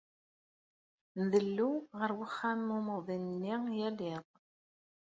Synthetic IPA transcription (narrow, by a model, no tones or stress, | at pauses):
nðəlːuʁəɾwəχːamːuməʁðinnːijælɪʁ